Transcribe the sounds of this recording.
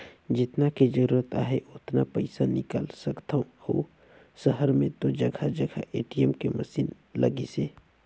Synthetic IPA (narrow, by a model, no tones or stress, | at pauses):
d͡ʒɪt̪nakid͡ʒəɾuːɾət̪aːɦeʔʊt̪napɐɪsanɪka̰ːlsɐkt̪aũho̰ | səɦəɾmẽt̪od͡ʒɐɡʱad͡ʒəɡʱa̰ʔeːʈijɛmkemɐsiːn | lɐ̰ɡiseː